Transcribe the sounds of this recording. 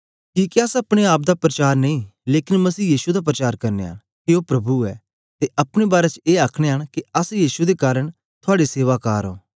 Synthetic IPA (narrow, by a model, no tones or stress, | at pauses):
kiːkeɐsɐpɽ̃eaːp̚d̪apɾɐt͡ʃaːɾnɐ̃ĩleːkɪnmɐsiːjiːsud̪ap̬ɾət͡ʃaːɾkɐɾnḛɦa̰ɽ̃ | kioːpɾɐbuɛ̰ː | t̪eʔɐpɽ̃ebaːɾet͡ʃeːaːkʰɽ̃eɦəɽ̃kiɐsjiːsud̪ekaːɾəɽ̃ | t̪ʰʊaːɽiseːʋakaːɾo̰ː